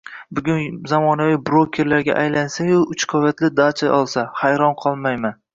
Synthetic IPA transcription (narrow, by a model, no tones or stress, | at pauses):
bʊɡʲʊnzamɒnavɪbɾokʲʰeɾlaɾɡʲa̰ʔajlansajʊʔʊt͡ʃqʰɒjat̪ʰlɪd̪at͡ʃʰajɒlˠsahajɾɒnqʰɒlˠmajman